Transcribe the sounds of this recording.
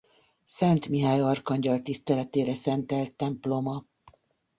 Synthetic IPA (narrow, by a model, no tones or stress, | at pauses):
sɛnt̪miɦaːjɒrkɒɲɟɒlt̪ist̪ɛlɛt̪eːɾɛsɛnt̪ɛlt̪ːɛmplo̞mɒ